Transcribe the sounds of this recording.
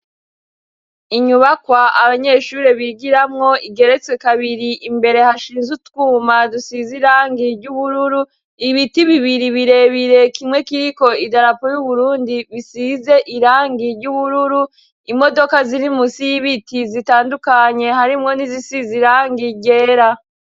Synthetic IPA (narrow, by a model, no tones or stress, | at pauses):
iɲuβakwaaβaɲe̞ːʃuɾeβiɡiɾamŋo̞iɡe̞ɾe̞t͡swe̞kaβiɾiʔimbe̞ɾe̞haʃiːnzutkuːmadusiziɾaːŋɡiɾɟuβuɾuɾu | iβitiβiβiɾiβiɾe̞βiɾe̞kimŋe̞kiko̞idaɾapojuβuɾuːndiβisize̞ʔiɾaːŋɡiɾɟuβuɾuɾu | imo̞do̞kaziɾimusijiβitizitaːndukaɲe̞haɾimŋo̞nizisiziɾaːŋɡiɟe̞ːɾa